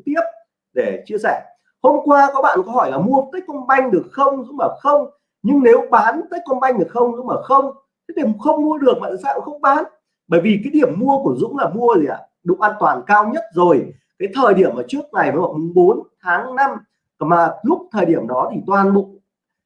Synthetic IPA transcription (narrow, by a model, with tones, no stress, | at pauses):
t̪i˦˥əp̚ | ɗe˧˩t͡ɕi˧əsɛ˧˩ | ho˧mkwaː˧kɔ˨˦˥ɓa̰ː˧˨nkɔ˨˦hɔ˧˩jlaː˨˩mu˧ə˨t̪əː˦˥jk̚kɔ˧nɓa˧jŋ̟ɗɨ˨˩ə˩k̚xə˧wŋ͡mzʊ̰˧˥ŋ͡mləː˧˩xə˧wŋ͡m | ɲɨ˧ŋne˨˦wɓaː˨˦nt̪əː˦˥k̚kɔ˧nɓa˧jŋ̟ɗɨ˨˩ə˩kxə˧wŋ͡mzʊ̰˧˥ŋ͡mləː˨˩xə˧wŋ͡m̪ | ɗi˧˩mxə˧wŋ͡mmu˧əɗɨ˨˩ək̚ɓa̰ː˧˨saː˧˨xə˧wŋ͡mɓaː˨˦n | ɓəː˧˩jvi˨˩kaː˨˦jɗi˧˩əmːu˧əku˧˩əzʊ̰˧˥ŋ͡mlaː˨˩mu˧əzi˨˩ʔa˧˩ | ɗʊ̰˧˨ŋ͡mʔaː˧nt̪waː˨˩nkaː˧wɲə˦˥t̚zo˨˩j | kaː˨˦jt̪ʰəː˨˩jɗi˧˩əmʔəː˧˩t͡ɕɨ˦˥ək̚na˨˩jvəː˨˦maː˧˩mʊ˨˩ŋ͡mɓo˨˦nt̪ʰaː˨˦ŋna˧m˨˩ | maː˨˩lʊ˦˥k͡p̚t̪ʰəː˨˩jɗi˧˩əmɗɔ˨˦t̪ʰi˨˩t̪waː˨˩nɓʊ̰˧˨